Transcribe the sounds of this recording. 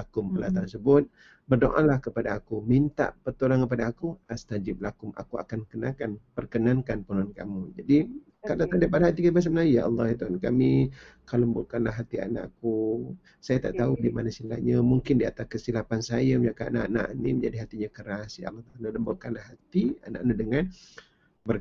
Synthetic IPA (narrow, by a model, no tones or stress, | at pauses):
lakʊməlat̪ansəbʊt̪̚ | bərdoʔalahkəpadaːkumint̪a̰ʔpərt̪ulankəp̬adaːkuast̪ad͡ʒɪp̚lakʊmʔa̰kua̰kankənakanpərkənaŋkanpənanka̰mud͡ʒadi | kadat̪adap̬adaɦat̪ikit̪əmas̬amənaijaʔɑlːɑit̪uankamikaləmbolkanlaɦat̪ia̰na̰ʔku | sajat̪a̰ʔt̪audimanasila̰ʔɲamuŋkɪndia̰t̪askəsilapansajaməɲakaanaʔana̰ʔniməɲd͡ʒadiɦat̪iɲakəɾasja̰ɑ̰lːɑht̪aalaləmbokanlahɦat̪ia̰na̰ʔnədəŋan | bər